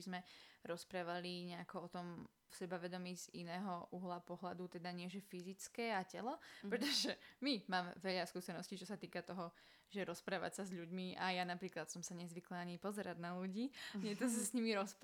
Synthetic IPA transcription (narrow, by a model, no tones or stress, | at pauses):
izmɛɾɔspɾaːʋaliɲɛakɔɔt̪ɔm | fsɛbaʋɛd̪ɔmiːz̥inɛːɦɔʔuɦlapɔɦlad̪ut̪ɛd̪aɲɪɛʒɛfizit͡skɛːacɛlɔpɾɛt̪ɔʒɛmimaːmʋɛʎaskuːsɛnɔscit͡ʃɔsat̪iːkat̪ɔɦɔ | ʒɛɾɔspɾaːʋa̰csazʎuɟmiʔajanapɾiːklat̪sɔmsaɲɛzʋiklaːɲipɔzɛɾaɟnaluɟiːɲɪɛt̪ɔsasɲimiɾɔsp